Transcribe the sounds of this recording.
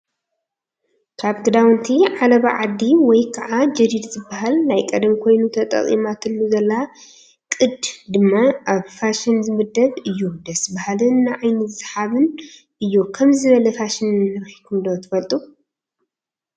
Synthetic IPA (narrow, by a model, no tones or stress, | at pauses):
kʰaβkɨd̪awɨnt̪ʰiʕalɐβaʕad̪iwɔjkʰaʔad͡ʒɨɾid̪zɨbːaɦalnajkʼɐd̪ɐmkʰo̞jnut̪ʰɐt̪ʼɐ̰χʼḭmat̪ʰɨlːuzɐlːa | kʼɨd̪d̪ɨmːaʔaβfaʃɪnzɨmɨd̪ɐβɨjːud̪ɐsbahalɨnːaʕajnɨzɨsħaβɨn | ɨjːokʰɐmzɨβɐlɐfaʃɪnɨɨɾxikʰund̪ot̪ʰɨfɐlt̪ʼu